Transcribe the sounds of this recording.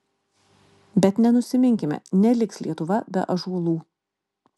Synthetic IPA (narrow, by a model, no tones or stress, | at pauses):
bʲɛt̪nʲɛnʊsʲɪmʲɪŋʲkʲɪmʲɛ̰nʲɛlʲɪkslʲiɛt̪ʊʋɐbʲɛ̰ʔɐʒuːlˠuː